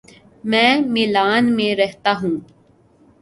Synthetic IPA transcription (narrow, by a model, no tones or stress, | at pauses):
mɛ̃ːmɪlaːnmẽɾɛɦt̪aɦũː